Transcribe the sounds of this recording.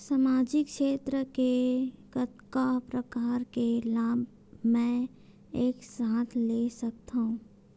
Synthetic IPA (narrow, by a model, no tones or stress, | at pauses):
samaːd͡ʒɪkʃeːt̪ɾəkekət̪kapɾəkaːɾkelaːbʱ | mɛ̃ | eːksaːt̪ʰlesɐk̚t̪aɦũː